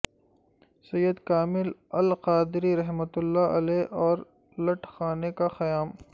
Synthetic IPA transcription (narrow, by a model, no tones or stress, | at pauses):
sɐjːəd̪kaːmɪlɐlqaːd̪ɪɾiɾɐɦmət̪ʊlːaɐ̰leːʔɔːɾ | lɐʈxaːnekaxɐjaːm